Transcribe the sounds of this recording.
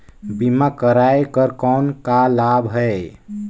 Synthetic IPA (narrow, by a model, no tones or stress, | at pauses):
bimakəɾajkəɾkɔnkalabɦəe